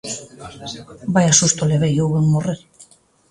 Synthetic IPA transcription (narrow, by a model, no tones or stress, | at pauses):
bajasust̪oleβejoweŋmoreɾ